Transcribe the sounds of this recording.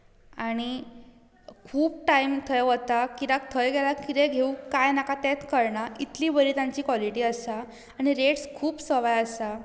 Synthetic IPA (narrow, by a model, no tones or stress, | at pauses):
aɽ̃i | kʰuːb̚ʈaimt̪ʰəjɦot̪akiɾak̚t̪ʰəjɡɛlakiɾɛɡʱeũkajnakat̪ɛ̃t̪kəɾɳait̪liːbəɾiːt̪jãɲt͡ɕiːkʋɔliʈiːəsaː | ɽ̃iɾeʈskʰuːbsəʋajəsa